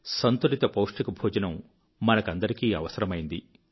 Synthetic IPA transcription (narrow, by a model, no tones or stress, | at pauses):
sɐnt̪uɾit̪ɐpoːʂʈikubʱuːd͡ʒɐnɐmː | ɐnɐkɐnd̪ɐɾikiːɐʋɐsɐɾɐmɐjind̪i